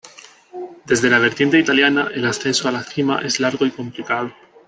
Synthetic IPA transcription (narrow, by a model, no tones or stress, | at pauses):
d̪e̞zðe̞laβ̞e̞ɾt̪je̞nt̪e̞it̪aljanaʔe̞lasθe̞nsoalaθima̰ʔe̞zlaɾɣoiko̞mplikaðo